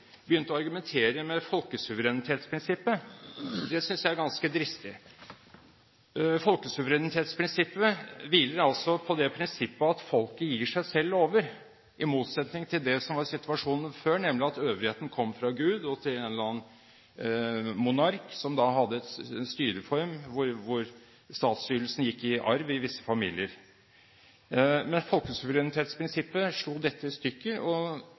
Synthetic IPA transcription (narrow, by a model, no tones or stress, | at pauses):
bəjʏnt̪əɔɑɾɡʉmɛnt̪ʰeːɾəmɛfɔlkəsʉʋəɾɛnɪt̪ʰeːt̪spʰɾɪnsɪpːəd̪ɛsʏnsjæɪæɾɡɑnskəd̪ɾɪst̪ɪ | fɔlkəsʉʋəɾɛnɪt̪ʰeːt̪spʰɾɪnsɪpːəʋiːləɾɑlsɔpʰɔd̪ɛpʰɾɪnsɪpːəɑt̪fɔlkəjiːʂæɪsɛlːoːʋəɾ | ʔɪmuːt̪sɛt̪nɪŋt̪ʰɪld̪ɛsɔmʋɑɾsɪt̪ʉɑʂuːnənføːnɛmlɪɑt̪øːʋɾheːt̪n̩kʰɔmːfɾɑɡʉːd̪ɔt̪ʰɪleːnlɑːn | mʊnɑɾksɔmd̪ɑɦɑd̪ːəɛt̪st̪yːɾəfɔɾmʋʊɾʋʊɾ | st̪ɑːt̪st̪yːɾəlsn̩jɪkːɪʔɑɾʋɪʋɪsːə̥fɑmḭːlɪəɾ | mɛnfɔlkəsʉʋəɾɛnɪt̪ʰeːt̪spʰɾɪnsɪpːəʂɭuːd̪ɛt̪ʰːəɪst̪ʏkːəɔ